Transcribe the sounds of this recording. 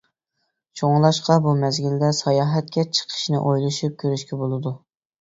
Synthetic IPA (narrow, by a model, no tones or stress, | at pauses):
t͡ʃʰoŋlˠɑʃqɑbumɛzɡʲild̪ɛsɑjɑːɦɛt̪̚kʲɛt͡ʃʰə̥qʰə̥ʃnɨ̰ʔojlˠɨʃyp̚kʲʰøɾyʃkʲɛbolˠɨd̪u